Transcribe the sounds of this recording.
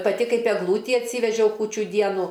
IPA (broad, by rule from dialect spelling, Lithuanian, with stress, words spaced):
pɐˈtʲɪ ˈkɐɪp ɛɡˈlˠuːtʲiː ɐtʲˈsʲiːʋʲɛʒʲɛʊ ˈkuːt͡ʃʲʊ ˈdʲiɛnʊ